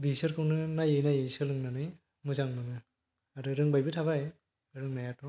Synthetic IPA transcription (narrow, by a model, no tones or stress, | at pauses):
bisɯɾkʰɯwnɯnajejnajejsɯlɯŋnɯnɯj | mɯzaŋnɯnɯ | aɾɯɾɯŋbajbɯtʰaβaj | ɯɾɯŋnajatɔ